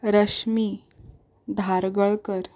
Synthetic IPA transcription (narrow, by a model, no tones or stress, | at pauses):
ɾəɕmi | d̪ʱaɾɡəɭkəɾ